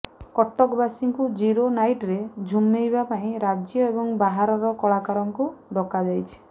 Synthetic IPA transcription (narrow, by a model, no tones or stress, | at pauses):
kɔʈɔkbasiŋkud͡ʒiɾonajʈɾed͡ʒʱumːejbapaĩɾad͡ʒjɔebɔŋbaɦaɾɔɾɔkɔɭakaɾɔŋkuɖɔkad͡ʒajt͡ʃʰi̥